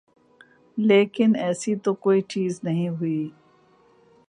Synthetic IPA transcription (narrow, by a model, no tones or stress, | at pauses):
leːkɪnɛːsit̪okoːiːt͡ʃiːznɐɦĩɦʊi